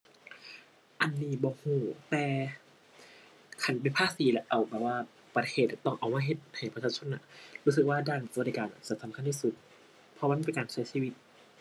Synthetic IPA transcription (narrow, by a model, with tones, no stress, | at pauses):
ʔa˨nːiː˧˩bɔː˧˦huː˧˩t̪ɛː˨˩ | kʰa˧˩np̬a˨npʰaː˧˨siː˨˦lɛ˧ʔa˨˩wbɛː˨˧˩waː˧˥˩ | pa˧t̪ʰeː˧˩t̪̚t̪ɔ˧˩ŋʔa˨˩wmaː˧ɦe˧˦t̪̚ha˨˩jpt͡ɕʰaː˧˩t͡ɕʰo˧˥˨nːa˧˩ɾuː˧˥˩sɯ˧˩k̚waː˧˥˩daː˧˩nsa˧˨˧da˧˩kaː˨˩nʔa̰˨˧˩sa˨˧˩sa˨˦mkʰa˧˥˨nt̪ʰi˧˨su˧˦t̪̚ | pʰɔ˧aː˧˥˨pe˨nkaː˨nt͡ɕʰa˦˥˨siː˧˨wi˧t̪̚